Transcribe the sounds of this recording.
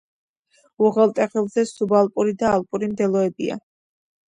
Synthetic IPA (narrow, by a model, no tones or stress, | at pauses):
uʁɛlˠt̪ʼɛχɛlˠzɛsubalˠpʼuɾid̪aːlˠpʼuɾimd̪ɛlˠɔɛbia̰